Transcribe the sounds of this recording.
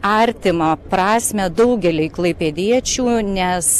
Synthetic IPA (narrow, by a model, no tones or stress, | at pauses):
ɐɾʲt̪ʲɪmɐpɾɑːsʲmʲɛd̪ɐʊɡʲɛlʲɛɪklˠɐɪpʲɛd̪ʲiɛt͡ʃʲuːnʲɛs